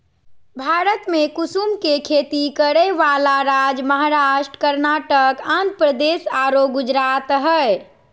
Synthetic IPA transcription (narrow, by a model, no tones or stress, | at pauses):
bʱaɾət̪mekusumkekʰet̪ikəɽəʋalaɾad͡ʒməɦaɾaʃʈə̥kəɾnaʈəkãnt̪̚pɾəd̪esaɾoɡud͡ʒɾat̪ɦə